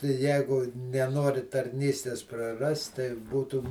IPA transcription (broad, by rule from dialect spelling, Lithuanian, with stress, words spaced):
tɐɪ ˈjæːɡʊ nʲɛˈnoːrʲɪ tɐrʲˈnʲiːsʲtʲeːs prɐˈrɐst tɐɪ ˈbuːtʊ